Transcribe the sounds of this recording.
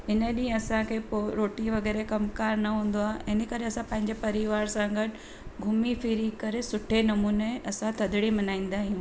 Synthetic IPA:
ɪnəɗĩːə̃ɐsãkʰeːpoɾoːʈiʋɐɣɛːɾekɐmkaːɾnɐɦũːn̆d̪oaːɦeʔɪnəkɐɾeɐsãpɐ̃ɦɪ̃ɲd͡ʑepɐɾɪʋaːɾsãːɡɐɖ | ɡʱʊmifiɾikɐɾesʊʈʰenɐmuːneɐsãt̪ʰɐd̪ʱɪɽimɐnaːĩːn̆d̪aːɦijũː

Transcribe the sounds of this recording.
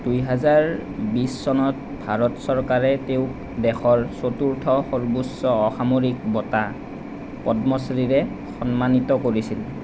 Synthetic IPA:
d̥ujɦazaɹbisːɔnɔt | bʱaɹɔtsɔɹkaɹɛteʊk | dɛxʰɔɹsotuɹtʰɔxoɹbusːɔːxamoɹikbɔta | pɔdmɔsɹiɹɛ | xɔnmanitɔkoɹisil

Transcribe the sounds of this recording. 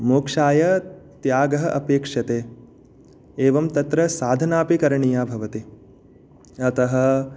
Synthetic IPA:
moːkʂaːjɐt̪jaːɡɐɦɐʔɐpeːkʂɐt̪eː | eːʋɐmt̪ɐt̪ɾɐsaːd̪ʱɐnaːpikɐɾɐɳijaːbʱɐʋɐt̪i | ɐt̪ɐɦɐ̆

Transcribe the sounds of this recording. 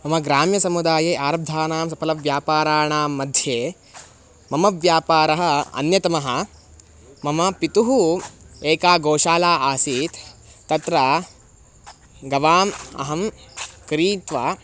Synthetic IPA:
mɐmɐɡɾaːmjɐsɐmud̪aːjeːʔaːɾɐb̚d̪ʱaːnaːmsɐpʰɐlɐʋjaːpaːɾaːɳaːmːɐd̪ʱjeː | mɐmɐʋjaːpaːɾɐɦɐɐ̰njɐt̪ɐmɐɦɐ̆ | mɐmɐpit̪uɦueːkaːɡoːʃaːlaːaːsiːt̪t̪ːɐt̪ɾɐ | ɡɐʋaːmɐ̰ɦɐmkɾiːt̪ʋaː

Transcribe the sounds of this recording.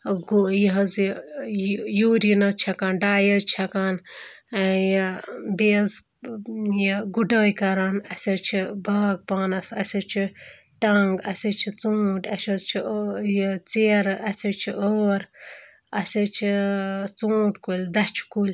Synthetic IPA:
ɡujiɦɐz | juːɾinɐt͡ʃʰɐkaːnɖaːjət͡ʃʰɐkaːn | jbeːz | jɡuɖəːjkɐɾaːnɐsʲɐt͡ʃʰibʱaːk̚paːnɐsɐsʲɐt͡ʃʰi | ʈɐŋɡɐsʲɐt͡ʃʰit͡suːʈɐsʲɐt͡ʃʰijt͡seɾɐsʲɐt͡ʃʰiʔoːɾ | ɐsʲɐt͡ʃʰit͡sũːʈkulʲd̪ɐt͡ʃʰi̥kulʲ

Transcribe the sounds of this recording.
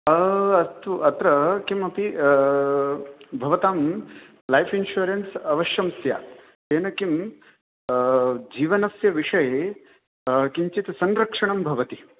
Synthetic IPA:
ɐɐst̪uʔɐt̪ɾɐkimɐpi | bʱɐʋɐt̪aːm | lajfʰinʃuːɾensɐʋɐʃjɐmsja̰ː | eːnɐkim | d͡ʒiːʋɐnɐsjɐʋiʂɐje | kiɲt͡ʃit̪sɐnɾɐkʂɐɳɐmbʱɐʋɐt̪i̥

